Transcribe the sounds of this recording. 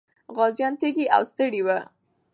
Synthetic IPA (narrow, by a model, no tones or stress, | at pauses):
ɣɑzjɑnt̪eɡiʔa̰wst̪əɽiwa